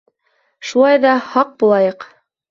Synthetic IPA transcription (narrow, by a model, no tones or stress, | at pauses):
ʃulˠɑjðɑhɑq̚bulˠɑjɤq